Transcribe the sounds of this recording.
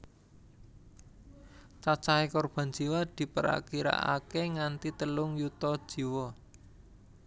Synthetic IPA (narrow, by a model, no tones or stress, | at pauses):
t͡ʃat͡ʃaɦekɔrb̥a̤n̥d͡ʒ̥i̤wad̪̥i̤pəɾa̰kiɾa̰ʔa̰keŋant̪it̪əlʊŋjut̪ɔ̥ʒ̥i̤wɔ